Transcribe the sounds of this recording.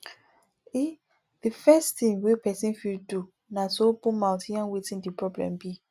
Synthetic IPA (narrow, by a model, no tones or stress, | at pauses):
i | difɛstĩnwepɛsĩnfildu | nasopũmãtʰiãnwetĩndipɹɔblɛ̰̃mbi